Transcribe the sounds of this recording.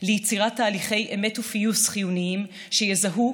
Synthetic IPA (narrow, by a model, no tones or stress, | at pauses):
lejit͡siʁatːaːliχe̞jʔemetufijusχijuniim | ʃejezaɦu